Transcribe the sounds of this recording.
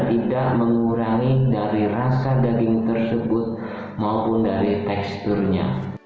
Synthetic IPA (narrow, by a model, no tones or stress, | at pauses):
t̪idaʔməŋuɾaŋidaɾirasadaɡɪŋt̪ərsəbʊt̪̚ | maupʊndaɾit̪ɛkst̪ʊrɲa̰